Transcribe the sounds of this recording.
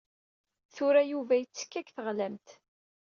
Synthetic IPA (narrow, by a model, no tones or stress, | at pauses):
θʊɾæjuvæjət͡sːə̥kːækθəʁlæmt̪